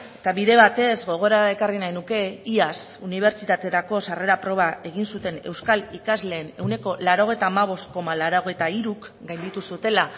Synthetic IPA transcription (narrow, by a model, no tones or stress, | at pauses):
et̪aβiðe̞βat̪e̞zɣo̞ɣ̞o̞ɾae̞karinajnuke̞iasuniβ̞e̞ɾt͡ʃit̪at̪e̞ɾako̞sare̞ɾapɾo̞β̞ae̞ɣ̞insut̪e̞ne̞wskalikazle̞ːne̞wne̞ko̞laɾo̞ɣ̞e̞jt̪aːmaβ̞o̞st̪̚ko̞malaɾoɣ̞e̞jt̪aiɾukɡajnd̪it̪usut̪e̞la